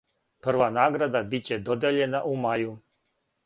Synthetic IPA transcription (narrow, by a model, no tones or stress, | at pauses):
pr̩ʋanaːɡɾad̪abit͡ɕe̞d̪od̪eʎe̞naʔumaju